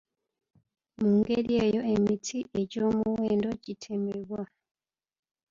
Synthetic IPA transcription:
muːŋɡe̞ɾie̞ːjo̞emitʰiʔe̞ɟo̞ːmuweːndo̞ɟitʰe̞meβwa

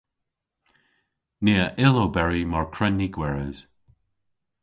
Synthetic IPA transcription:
neːəʔɪlobɛɹimaɹkʰɹɛnːiɡwɛɹəz̥

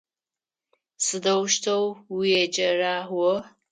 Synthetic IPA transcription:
sɨdɐwʃtʰɐwwijed͡ʒʼɐraːwɔ

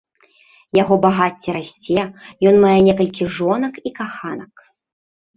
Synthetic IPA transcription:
jaɣɔbaɣat͡sʲːɛɾasʲt͡sʲɛjɔnmajɛnʲɛkɐlʲkʲiʐɔnɐkikaxanɐk

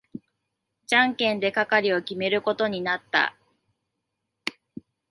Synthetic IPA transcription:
d͡ʑãŋkẽ̞nd̪e̞kakaɾʲio̞kʲime̞ɾɯ̟ko̞t̪o̞ɲ̟inat̪ːa̰

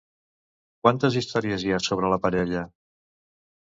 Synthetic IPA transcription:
kwant̪əzist̪ɔɾiəziasoβ̞ɾələpəɾɛʎə

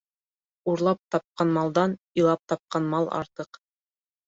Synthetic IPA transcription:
uɾlˠɑp̚t̪ɑp̚qɑnmɑlˠd̪ɑnilˠɑp̚t̪ɑp̚qɑnmɑlˠɑ̰ɾt̪ɤq

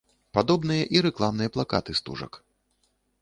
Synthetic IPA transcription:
pad̪ɔbn̪ɨjɐʔiɾɛklˠamnɨjɐplˠaka̰t̪ɨst̪ṵʐɐ̰k

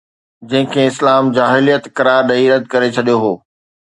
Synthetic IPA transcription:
d͡ʑɐ̃ɦɪ̃kʰeːɪslaːmd͡ʑaːɦɪlijət̪kɐɾaːɾɗɐiɾɐd̪̚ʱkɐɾet͡ɕʰɐɗijoɦoː

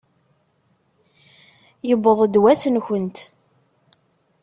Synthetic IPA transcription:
jəbːəðˤd̪wæsənçənt̪

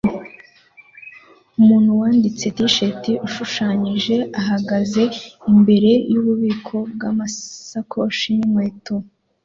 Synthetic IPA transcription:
umuːn̥huwaːndit͡se̞tiʃetiʔuʃuʃaːɲiʒe̞aɦaɡaze̞imbe̞ɾe̞juβuβiːkʰo̞b̚ɡa̰masakʰoʃinimweːtu

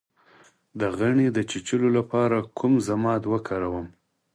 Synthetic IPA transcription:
d̪əɣaɳed̪ət͡ʃit͡ʃəlolapɑɾakʰumzamɑt̪wəkʰaɾawəm

